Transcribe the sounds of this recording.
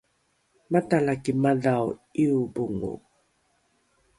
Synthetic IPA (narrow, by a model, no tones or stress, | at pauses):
matalakimaðawiubuŋṵ